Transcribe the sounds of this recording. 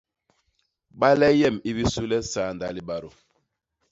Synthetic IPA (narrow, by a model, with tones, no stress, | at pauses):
ɓa˦lɛ˦jɛ˦˨mi˦βi˦su˦lɛ˦sa˨˦˨nda˨˦li˦ɓa˦ɾo˨